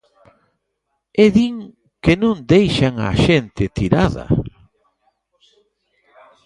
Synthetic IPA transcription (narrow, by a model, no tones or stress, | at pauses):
eðiŋ | kenõnd̪ejʃaŋa̰ʃent̪ɪt̪iɾaðɐ̰